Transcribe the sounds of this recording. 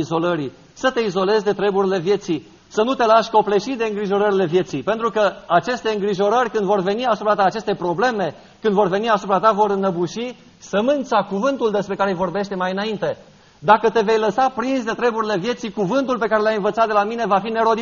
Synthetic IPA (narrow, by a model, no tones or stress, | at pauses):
izo̞ləɾi | sət̪e̞izo̞le̞zʲd̪e̞t̪ɾe̞buɾile̞vje̞t̪si | sənut̪e̞laʃʲko̞ple̞ʃid̪eɨŋɡɾiʒo̞ɾəɾile̞vje̞t̪sipent̪ɾukəat͡ʃe̞st̪e̞ɨŋɡɾiʒo̞ɾərʲkɨnd̪vo̞rve̞niasupɾat̪aːt͡ʃe̞st̪e̞pɾo̞ble̞me̞ | kɨnd̪vo̞rve̞niasupɾat̪avo̞ɾnəbuʃi | səmɨnt̪sakuvɨnt̪uld̪e̞spɾe̞kaɾejvo̞rbe̞ʃt̪e̞majɨnaint̪e̞ | d̪akət̪e̞ve̞jləsapɾinsd̪e̞t̪ɾe̞buɾile̞vje̞t̪sikuvɨnt̪ulpe̞kaɾe̞ljajɨnvət̪sat̪̚d̪elamine̞vafine̞ɾo̞d̪i